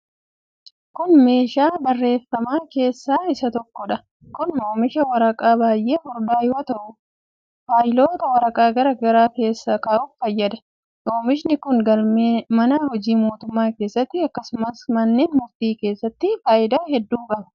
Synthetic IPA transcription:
kʊnme̞ːʃaːbɐrːe̞ːfɐmaːke̞ːsːaːɪsɐt̪ɔkːɔᶑɐ | kʊnːoːmɪʃɐwɐɾɐkʼaːbaːjʔe̞ːhɔɾbaːjɪot̪ɐʔʊ | faːjɪlo̞ːt̪ɐwɐɾɐkʼaːɡɐɾɐɡɐɾaːke̞ːsːakaːʔʊffɐjːɐd̪ɐ̥ | joːmɪʃnɪkʊnɡɐlmeːmɐnaːhɔd͡ʒiːmo̞ːt̪ʊmːaːke̞ːsːɐt̪ːɪɐkːɐsʊmɐsmɐnːeːnmʊft̪iːke̞ːsːɐt̪ːɪfaːʔɪd̪aːhɛd̪ːuːkʼɐbɐ̥

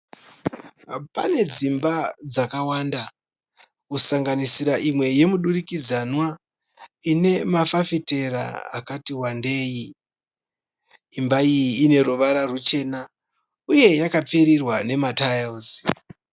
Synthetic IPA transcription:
pa̰ne̞d͡zimbad͡zakawanda | kusaŋɡanisiɾaʔimwe̞je̞muɗurikid͡zanwa | ine̞mafafite̞ɾa̰a̰katiwande̞ːji | imbaijiːne̞ɾuʋaɾarut͡ʃe̞na | uje̞jakap͡feɾirwane̞matajaus

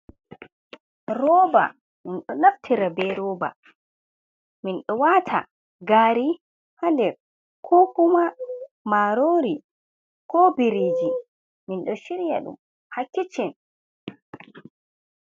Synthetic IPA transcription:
ɾɔːba̰ | minɗɔnaftʰiɾabɛɾɔːba̰ | minɗɔwatʰa̰ | ɡaːɾi | handɛ | kʰɔkuma | maɾoːɾi | kɔbiɾiːd͡ʒi | minɗɔʃiɾija̰ɗṵm | hakːit͡ʃɛn

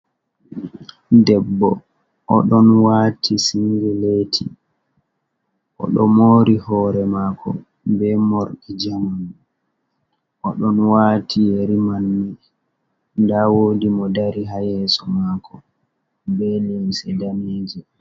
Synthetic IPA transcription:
dɛbːɔ | ʔɔɗɔnwaːtʰisiŋɡɛleːtʰḭ | ʔɔ̰ɗɔmoːɾihɔːɾɛmaːkʰɔ̰ | bɛmoɾɗid͡ʒaman | ʔɔɗɔnwatʰijeɾimanːi | ndawoːdimɔdaɾiɦajɛːsɔmaːkʰɔ | bɛlɛmsɛdameːd͡ʒi

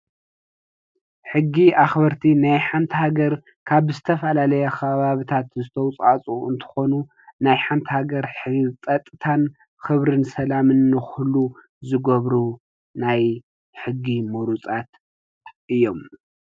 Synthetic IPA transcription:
ħɨɡːiʔaxbɐɾt̪ʰinajħant̪ʰihaɡɐɾ | kʰaβzɨt̪ʰɐfɐlalɐjɐkʰɐβaβit̪ʰat̪zɨt̪ʰɐwt͡sʼat͡sʼuɨnt̪ʰɨ̥xo̞nu | najħant̪ʰhaɡɐɾħɨt͡sʼɐt̪ʼːɨt̪ʰan | xɨβɾɨnsɐlamɨnːɨxlu | zɨɡɐβɾu | naj | ħɨɡːimuɾut͡sʼat̪ | ʔɨjːo̞m

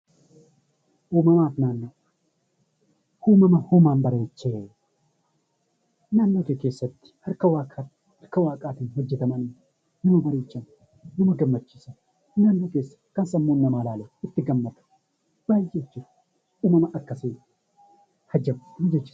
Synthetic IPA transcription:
ʔuːmɐmaːfnaːnːoː | huːmɐmɐhuːmaːmbɐɾeːt͡ʃːeː | naːnːoːk̪eːke̞ːsːɐt̪ːɪ̥hɐɾkɐwaːkʼaːt̪ | hɐɾkɐwaːkʼaːt̪ɪnɦɔd͡ʒːɛt̪ɐmɐnɪ | nɐmɐbɐɾeːt͡ʃːɐm | nɐmɐɡɐmːɐt͡ʃːiːsɐ | naːnːoːke̞ːsːɐ̥kɐnsɐmːoːnːɐmaːlaːleɪt̪ːɪɡɐmːɐt̪ɐ̥ | b̥aːjet͡ʃːɪs | ʔuːmɐmɐʔɐkːɐseː | hɐd͡ʒɐmɐd͡ʒɛt͡ʃːɪ̥s

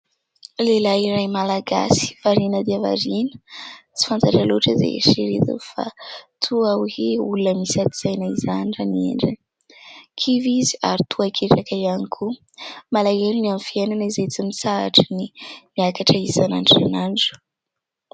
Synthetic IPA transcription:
lelaiɾajmalaɡa̰si̥v̥aɾinəd̪iəva̰ɾinə̥t͡si̥fant̪aʈ͡ʂaluʈ͡ʂəzḛʃiɾḭt̪ṵfa̰t̪ʰuaweulunəmisat̪iz̥ajnaizaniraniḛɳɖ͡ʐəni | kʰiviziaɾit̪ʰuakʰeʈ͡ʂakaianikʰu | malaelunianfienanaizejt͡simisaa̰ʈ͡ʂinimiakaʈ͡ʂaisanaɳʈ͡ʂa̰naɳɖ͡ʐu̥

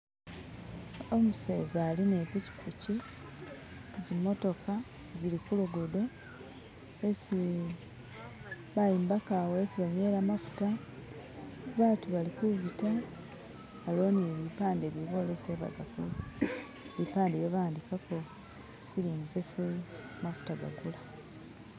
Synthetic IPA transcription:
omuse̞ːzaːlinepici̥kuci | zimːo̞to̞ka | zilikuloɡodo | esi | βajiːmbakawoesiβaɲwe̞ːlamafu̥ta | βaːtuβalikuβitaː | lo̞ːniβipaːndeβiβo̞leseβa̰za̰kul | βipaːndeβjoβaːndikako̞ | siɾiːnzesemafu̥taɡa̰ɡula

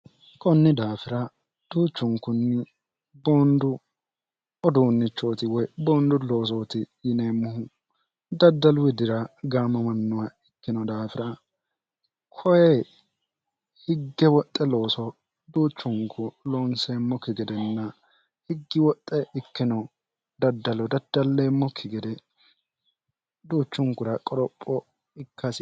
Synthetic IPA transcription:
kʼɔnːɪd̪aːfɪɾɐ | d̪̥uːt͡ʃːʊŋkːʊnːɪ | boːnd̪ʊ | ɔd̪uːnːɪt͡ʃːoːt̪ɪwɔjboːnd̪ʊlo̞ːs̬oːt̪ɪjɪneːmːʊhʊ | d̪ɐd̪ːɐlwɪd̪ɪɾɐɡaːmːɐmɐnːʊwaɪkːɪnɔd̪aːfɪɾɐ | kʰɔjɛ | hɪɡːɛwɔt̪ʼːɛlo̞ːsɔ | d̪uːt͡ʃːʊŋkʰʊloːnsemːɔkɪɡɛd̪ɛnːɐ | hɪɡːɪwɔt̪ʼːɛʔɪkːɪnɔ | d̪ɐd̪ːɐlɔd̪ɐd̪̥ːɐlːeːmːɔkʰːɪɡɛd̪ɛ | d̪uːt͡ʃːʊŋkʊɾɐkʼɔɾɔpʼːɔ | ɪkːɐs

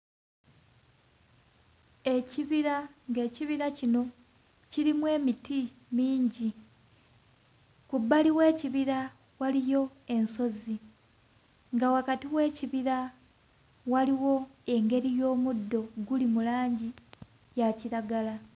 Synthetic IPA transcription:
e̞ciβiɾaŋɡe̞ːciβiɾacino̞ | ciɾimwe̞ːmiti | miːɲɟi | kubːaliwe̞ːciβiɾa | walijo̞e̞nso̞zi | ŋɡawakatiwe̞ːciβiɾa | waliwo̞e̞ŋɡe̞ɾijo̞ːmudːo̞ɡulimulaːɲɟi | jaciɾaɡala

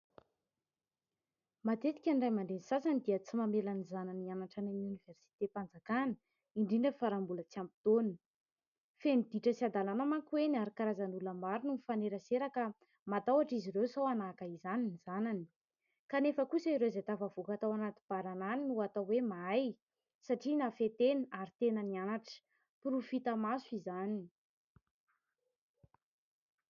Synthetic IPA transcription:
mat̪et̪i̥kʲanɖ͡ʐajmanɖ͡ʐ̪enisasanid̪iət͡simamelanizananianaʈ͡ʂananuniversi̥t̪epand͡zakanə̥ | iɳɖ͡ʐiɳɖ͡ʐəfaɾambulət͡siampi̥t̪on | fenid̪iʈ͡ʂəsiad̪alanamaŋkwenaɾikaɾazanuləmaɾununifaneɾəseɾakə | mat̪awaʈ͡ʂiziɾewsowanakaizaniniz̥anani̥ | kanefəkusaiɾezet̪avavukat̪awanat̪i̥b̥aɾananinuat̪awemaaj | saʈ͡ʂinafet̪eniaɾit̪enənianaʈ͡ʂə̥ | purufit̪amasuizanini̥

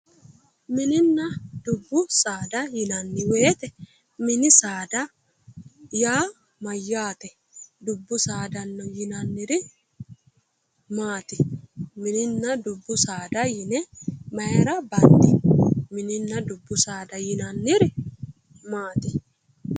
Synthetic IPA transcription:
mɪnɪnːɐd̪̥ʊbːʊsaːd̪ɐjɪnɐnːɪweːt̪ɛ | mɪnɪsaːd̪ɐ | jaː | mɐjːaːt̪ɛ | d̪ʊbːʊsaːd̪ɐnːɔjɪnɐnːɪɾɪ | maːt̪ɪ̥mɪnɪnːɐd̪ʊbːʊsaːd̪ɐjɪnɛmɐjɛɾɐbɐnt̪ːɪmɪnɪnːɐd̪ʊbːʊsaːd̪ɐjɪnɐnːɪɾɪ | maːt̪ɪ

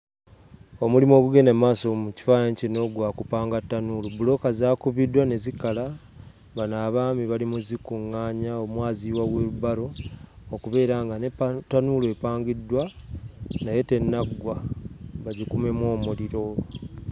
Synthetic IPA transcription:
o̞mulimo̞ːβuɡe̞nemaːsomuci̥fajaɲcino̞ɡwaːkupaːŋɡatːanulubulo̞kazaːkuβidwane̞zikːala | βanaːβaːmiβalimuzikuŋːaːɲaomwaːziwaɡweuβaɾo̞ːkuβe̞ːɾaːŋɡanetːanulue̞paːŋɡidwa | naje̞te̞nːaɡwaβaɟikume̞mwo̞ːmuliɾo̞

